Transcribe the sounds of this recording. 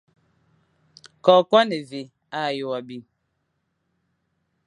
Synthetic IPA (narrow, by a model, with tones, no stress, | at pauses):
kɔː˨kwa˦ne˨vi˨ | a˦˨jo˦wa˨bi˦